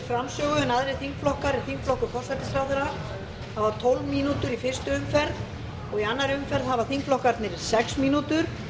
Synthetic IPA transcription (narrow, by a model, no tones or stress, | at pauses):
fɾamsœːɣʏnaðɾɪθiŋkflɔhkaɾiθiŋkflɔhkʏfɔr̥sat̪ɪst̪ɾaːwðʏɾa | havat̪ʰɔlvmiːnut̪ʏɾifɪ̥st̪ʏʏmfɛɾð | ɔɣianːaɾʏmfɛɾðhavḁθiŋkflɔhkaɾt̪nɪɾsɛksmiːnut̪ʏɾ̥